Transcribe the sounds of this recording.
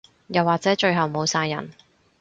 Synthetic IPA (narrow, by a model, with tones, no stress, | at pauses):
jɐ˨wːaː˨t̚t͡sɛː˨˥t͡ʃɵ˧ɥɦɐ˨wmo˨˧wsaː˧jːɐ̰˨˩n